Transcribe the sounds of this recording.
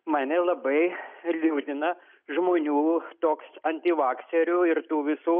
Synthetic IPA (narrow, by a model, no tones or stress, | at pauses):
mɑːnʲɛlˠɐbɐɪlʲuːd̪ʲɪnɐ | ʒmoːnʲuːt̪oːksɐnʲt̪ʲiʋɑːksʲɛɾʲuːɪrt̪uːʋʲɪsuː